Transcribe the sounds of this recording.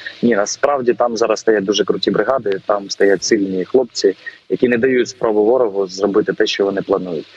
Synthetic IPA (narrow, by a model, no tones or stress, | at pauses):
nʲinɐspɾɑwdʲit̪ɑmzɑɾɐsst̪ɐjat̚ʲd̪uʒɛkɾʊtʲibɾɪɦɑd̪ɪt̪ɑmst̪ɐjatʲsilʲnʲixlˠɔp̚t͡sʲijɐkʲinɛd̪ɐjutʲspɾɔbʊʋɔɾɔɦʊzrɔbɪt̪ɪt̪ɛʃt͡ʃɔʋɔnɪplˠɐnujʊtʲ